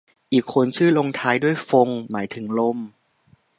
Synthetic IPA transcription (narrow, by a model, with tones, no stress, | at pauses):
ʔiː˨˩kʰːo˧nt͡ɕʰɯː˥˩lo˧ŋt̪ʰaː˧jdu˥˩əjfo˧ŋmaː˩˦jt̪ʰɯ˩˦ŋlo˥˩m